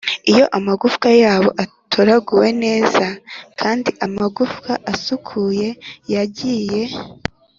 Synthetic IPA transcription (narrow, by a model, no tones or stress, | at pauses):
ijo̞ʔamaɡufkajaːβo̞ʔatʰoɾaɡuwe̞ne̞ːz̥akʰaːndiʔamaɡufkaʔasukʰuːje̞jaɟiːje̞